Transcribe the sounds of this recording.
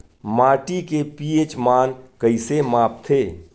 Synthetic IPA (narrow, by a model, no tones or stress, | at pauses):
maːʈikepiːet͡ʃmaːnkəɪsemaːp̚t̪ʰeː